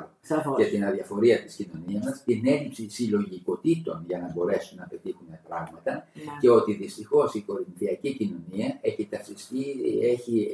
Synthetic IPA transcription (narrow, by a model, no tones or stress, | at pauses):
est̪inɐðiɐfo̞ɾiɐt̪iscino̞niɐzmɐst̪ine̞lipsisilo̞ʝiko̞t̪it̪o̞nʝɐnɐbo̞ɾe̞sunːɐpe̞t̪ixunepɾɐɣmɐt̪ɐce̞o̞t̪iðist̪ixo̞siko̞ɾinθiɐcicino̞niɐe̞çit̪ɐsist̪ieçi